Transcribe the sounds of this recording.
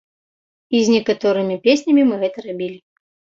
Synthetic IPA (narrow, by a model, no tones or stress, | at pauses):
izʲnʲɛkat̪ɔɾɨmʲipʲesʲnʲɐmʲimɨɣɛt̪ɐɾabʲilʲi